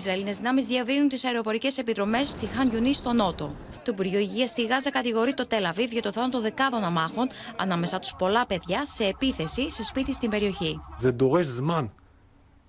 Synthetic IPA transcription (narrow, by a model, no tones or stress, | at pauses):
zɾɐeline̞zðinɐmizðievɾinunt̪isɐeɾeopo̞ɾice̞se̞piðɾo̞me̞st̪ixɐnʝunist̪o̞no̞t̪o̞̰ | t̪oipuɾʝoiʝiɐst̪iɣɐzɐkɐt̪iɣo̞ɾit̪o̞t̪e̞lɐvivʝɐt̪oθɐnot̪o̞nðe̞kɐðo̞nɐmɐxo̞nɐ̰nɐme̞sɐt̪u̥spo̞lɐpe̞ðʝɐse̞ːpiθe̞sise̞spit̪ist̪imbe̞ɾio̞çiðend̪oɣeszmɐn